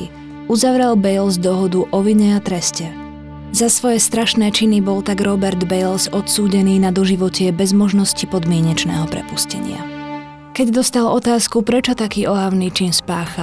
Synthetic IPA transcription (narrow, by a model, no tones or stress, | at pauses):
i | uzaʋɾɛlbɛjlzd̪ɔɦɔd̪uʔɔʋiɲɛat̪ɾɛscɛ | zasʋɔjɛst̪ɾaʃnɛːt͡ʃinibɔlt̪aɡɾɔbɛɾd̪bɛjlsɔt̪suːɟɛniːnad̪ɔʒiʋɔcɪɛbɛzmɔʒnɔscipɔd̪mɪɛɲɛt͡ʃnɛ̰ːɦɔpɾɛ̰puscɛ̰ɲɪa̰ | kɛɟd̪ɔst̪alɔt̪aːskupɾɛt͡ʃɔt̪akiːʔɔɦaʊniːt͡ʃinspaːxa